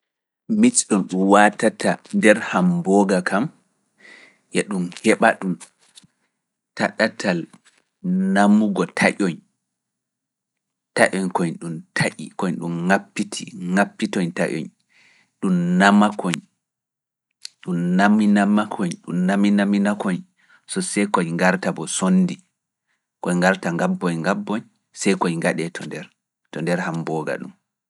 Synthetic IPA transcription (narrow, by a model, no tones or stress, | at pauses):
mit͡ʃɗɔnɗumwatatandɛɾhambɔɡakʰam | jɛɗumhɛɓaɗum | taɗatʰal | namuɡɔtʰaʔɔɲ | taʔɔɲkɔɲɗumtʰaʔḭkɔɲɗumŋapːitʰiŋapːitɔɲta̰ʔɔ̰ɲ | ɗumnamakʰɔɲ | ɗumnaminamakʰɔɲɗṵmnaminaminakɔɲ | sɔsɛjkɔjŋɡaɾtabɔsonːdi | kɔjŋɡaɾtaŋɡabːɔɲŋɡabːɔɲ | sɛjkɔjŋɡaɗɛtʰɔndɛɾ | tɔndɛɾhambɔːɡa̰ɗṵm